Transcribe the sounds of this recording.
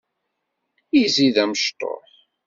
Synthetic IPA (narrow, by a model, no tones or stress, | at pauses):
iziðæməʃt̪ˤo̰ħ